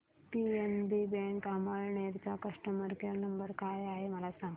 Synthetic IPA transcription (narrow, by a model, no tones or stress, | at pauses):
pienbibɛ̃ŋkaməɭɳeɾt͡ɕakəʂʈəməɾkeɾnəmbəɾkajaɦeməlasãŋɡ